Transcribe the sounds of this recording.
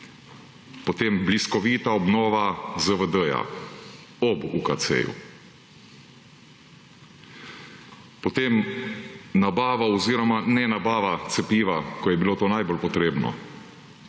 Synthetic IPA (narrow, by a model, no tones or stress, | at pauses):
pɔt̪eːmbliskɔʋiːt̪aɔbnoːʋazəʋəd̪əja̰ | ɔbukasḛːjṵ | pɔt̪eːm | nabaːʋaɔziːɾɔmanɛnabaːʋat̪sɛpiːʋakɔjɛbiloːt̪oːnajbolpɔt̪ɾeːbnɔ̰